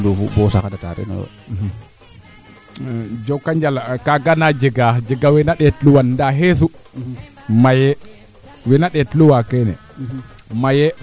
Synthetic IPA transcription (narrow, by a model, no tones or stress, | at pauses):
dufṵbɔsakadata̰ɾɛ̰nɔ̰ | d͡ʒɔkːaɲd͡ʒalakaɡanad͡ʒɛɡad͡ʒɛɡawɛnaɗɛtluwanːdaɦes̬u | majɛ | wɛnaɗɛtluwakɛnɛ̰ | majɛ